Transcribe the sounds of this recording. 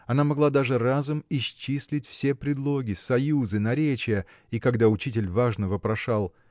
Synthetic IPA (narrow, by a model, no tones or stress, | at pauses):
ɐnamɐɡlˠad̪aʐɨrazʊmɪɕt͡ɕːisʲlʲɪtʲfsʲe̞pɾʲɪd̪lˠo̞ɡʲɪsɐjuzɨnɐɾʲet͡ɕɪjə | ikɐɡd̪aʊt͡ɕitʲɪlʲvaʐnəvəpɾɐʂalˠ